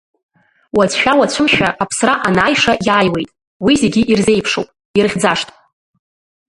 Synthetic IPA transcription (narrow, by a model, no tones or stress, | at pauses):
wat͡sʰʃᶣawat͡ɕʷʰʊmʃᶣaʔapʰsraʔanaːjʂajaːjwe̞̰jtʼ | wizeɡʲɪʔirze̞jpʰʂowpʼ | irχʲd͡zaʂtʼ